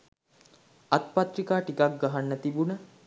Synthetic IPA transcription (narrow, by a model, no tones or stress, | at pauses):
at̪̚pat̪rikaːʈikak̚ɡaɦanːət̪ibunə